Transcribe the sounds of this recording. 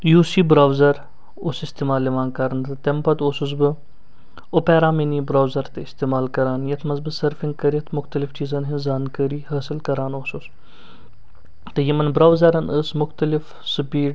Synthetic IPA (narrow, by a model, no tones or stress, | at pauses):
juːsiːbɾaːwzɐɾ | oːsɪst̪eːmaːlːiʋaːnkɐɾnt̪ɐt̪empɐt̪oːsus̬bɨ | opeːɾaːmeniːbɾaːwzɐɾt̪ɨɪst̪eːmaːlkɐɾaːnjɐt̪ʰmɐzbɨsəɾfĩŋɡ̚kɐɾit̪ʰmʊxt̪ɐlift͡ʃiːzɐnɦinzaːnkəɾiːɦɐːsilkɐɾaːnoːsos | t̪ɐjimɐnbɾaːwzɐɾɐnəsmʊxt̪ɐlɪf | sɨpiːʈ